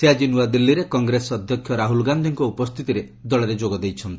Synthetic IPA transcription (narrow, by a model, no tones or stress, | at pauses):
sead͡ʒinuad̪ilːiɾekɔŋɡɾesɔɔd̪ʱjɔkʰːjɔɾaɦulɡand̪ʱiŋkɔupɔst̪ʰit̪iɾe | d̪ɔɭeɾed͡ʒoɡɔd̪ejt͡ʃʰɔnt̪i̥